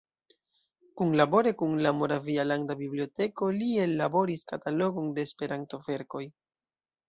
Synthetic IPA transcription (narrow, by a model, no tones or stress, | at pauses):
kunlabo̞ɾe̞kuŋlamo̞ɾavialandabiblio̞te̞ko̞lie̞labo̞ɾiskatalo̞ɡo̞nde̞ːspe̞ɾanto̞ve̞ɾko̞j